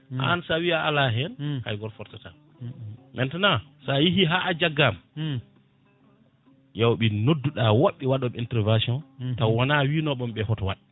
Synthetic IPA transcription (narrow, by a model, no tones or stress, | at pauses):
ʔa̰nsawiaalaɦɛnha̰jɡɔɾfɔɾtata | mʔɛntanasajiɦiɦaːʔad͡ʒaɡːam | jawɓinodːuɗawaɓːiwaɗɔmintɛɾvasiɔntawanawinɔɓɔmɓɛhɔtwaɗi